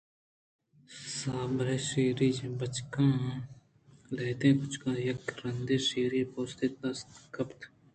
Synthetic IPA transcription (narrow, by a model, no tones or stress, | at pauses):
saːbɾeːʃeːɾiːd͡ʒbət͡ʃkãː | leːt̪ẽkʊt͡ʃʰkãːjɐkɾɐnd̪eːʃiːɾepoːst̪et̪ɐst̪kɐpt̪ʰ